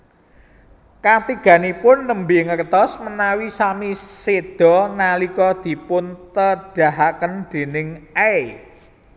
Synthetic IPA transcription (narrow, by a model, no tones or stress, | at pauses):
kat̪iɡ̥ä̤nipʊnːəmbiŋərd̪ɔsmənawisamised̪̥ɔ̤nalikɔd̪̥i̤pʊnt̪əɖ̥ä̤ɦakənd̪̥e̤nɪŋe